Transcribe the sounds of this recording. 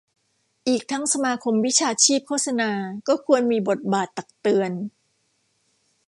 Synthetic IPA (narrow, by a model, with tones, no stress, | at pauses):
ʔiː˨˩k̚t̪ʰa˦˥ŋsa˧maː˧kʰo˧mwi˦˥t͡ɕʰaː˧t͡ɕʰiː˥˩p̚kʰoː˥˩t̪̚sa˧naː˧kɔː˥˩kʰu˧ənmiː˧bo˨˩t̪̚baː˨˩t̪ːa˨˩k̚t̪ɯ˧ən